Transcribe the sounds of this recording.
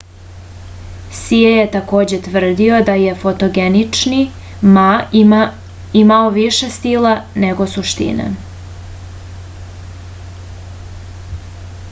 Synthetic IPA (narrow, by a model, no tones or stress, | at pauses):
siejet̪ako̞ːd͡ʑe̞t̪ʋr̩d̪io̞d̪aje̞fo̞t̪oɡenit͡ʂni | ma | imaoʋiʃe̞st̪ilane̞ɡo̞suʃt̪ḭnḛ